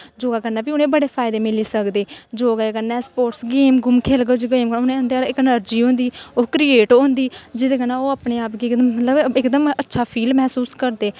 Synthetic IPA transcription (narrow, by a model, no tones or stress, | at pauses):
d͡ʒoːɡaːkəɾnɛːbiːʊnẽːbəɽeːpʰaːɪd̪eːmɪliːsəkd̪eːd͡ʒoːɡaːkəɾnɛːspoːʈsɡeːmɡʊmkʰeːlɡod͡ʒɡeːmkəʊnẽːʊ̃nd̪eːɪkənəɾd͡ʒiːɦõːnd̪iːoːkɾieːʈõːnd̪iːd͡ʒɪd̪eːkənaːoːəpneːaːpɡiːkd̪əmːət̪ləbɪkd̪əmətːʃʰaːpʰiːlmɛːsuːskəɾd̪eː